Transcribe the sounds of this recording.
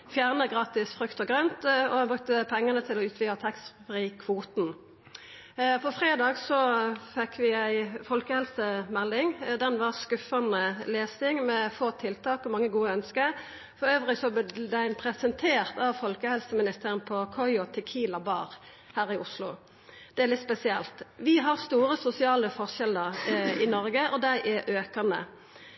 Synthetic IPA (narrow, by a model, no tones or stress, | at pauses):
fjæːʁnəɡʁɑːt̪ɪsfʁʉkt̪ɔɡʁœnt̪ɔɑbʁʉk̚t̪əpʰɛŋːɑnət̪ʰɪlɔʉːt̪ʰʋiːɑt̪ʰɛkst̪fʁiːkʰʋuːt̪n̩ | fɔfʁeːd̪ɑːɡsɔfɛkʰːʋɪæɪfɔlkəhɛlsəmɛld̪ɪŋd̪ɛnʋɑʁskʉfɑnəleːsɪŋmɛfoːt̪ʰːɪlt̪ʰɑːkɔmɑŋːəɡuːəœnskə | fɔɾøːʋʁɪsɔbd̪æɪnpʰɾɛsɛnt̪ʰeːʁt̪ɑʋfɔlkəhɛlsəmɪnɪst̪eːʁənpʰɔkʰɔʏɔt̪ʰɛkʰiːlɑbɑ̰ːʁ | hæːɾɪʔʊslʊ̰ | d̪̥ɛæʁlɪt̪spɛsɪɛlt̪ʋɪɦɑʁst̪uːʁəsʊsɪɑːləfɔʁʃɛləʁɪnɔɾɡəʔɔd̪æɪʔæʔøːkɑnə̰